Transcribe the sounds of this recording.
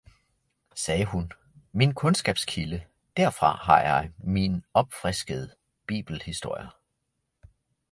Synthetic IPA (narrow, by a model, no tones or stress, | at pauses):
sɛːɦun | minkʰɔ̽nsɡ̥ɛ̰ːb̥skʰilə | d̥æɐfʁɑ̈ɦɑ̈jɑ̈ɪminɒ̽b̥fʁɛsɡ̥əð̞̩ˠ | b̥ḭːb̥l̩hisd̥o̝ɐ̰jɐ